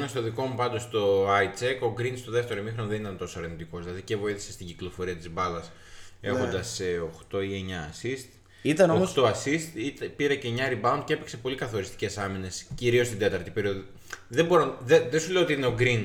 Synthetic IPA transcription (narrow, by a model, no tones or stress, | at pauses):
nɐst̪o̞ðiko̞mupɐnd̪o̞st̪o̞ɐit͡seko̞ɡɾinst̪oðe̞ft̪e̞ɾomixɾo̞nɐðenit̪ɐnt̪o̞soɐɾnit̪iko̞zðilɐðicevo̞iθi̥sest̪iɟiklo̞fo̞ɾiɐt̪izbɐlɐs | e̞̰xo̞nd̪ɐseo̞xt̪o̞ie̞ɲɐ̰ːsist̪ | it̪ɐnooxt̪oɐsist̪it̪piɾeceɲɐɾibɐund̪cee̞pekse̞po̞likɐθo̞ɾist̪i̥ce̞sɐmine̞sciɾiost̪ind̪e̞t̪ɐɾt̪ipe̞ɾio̞ði | ðembo̞ɾonðeðesuleot̪iineo̞ɡɾin